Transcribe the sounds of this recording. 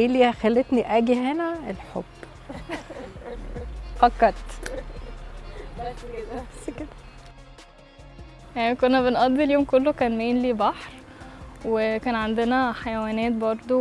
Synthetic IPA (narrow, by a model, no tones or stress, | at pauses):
ʔeːliːxælːet̪niʔæɡiɦenæelħo̰b̥ː | fɑkːɑt̪ˤ | æsːked̪̥æ | jaʕnikonːæbenʔɑd̪ːiljoːmkolːokæːnmeːnliːbɑħɾ | wekæːnʕand̪enæħajæwæːnæːt̪̚bɑɾˤd̪ˤo